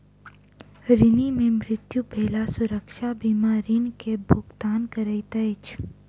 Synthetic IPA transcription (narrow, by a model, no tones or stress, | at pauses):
ɾɪnimẽmɾɪt̪jubʱeːlasʊɾəkʃabimaːɾinkebʱʊɡt̪aːnkɐɾəit̪ɐt͡ʃʰ